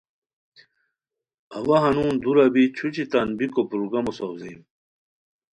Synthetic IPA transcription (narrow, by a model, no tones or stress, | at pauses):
ɐwɐɦɐnũːnd̪uɾɐbit͡ɕʰut͡ɕʰit̪ɐnbikopɾuɡɐmosowzejm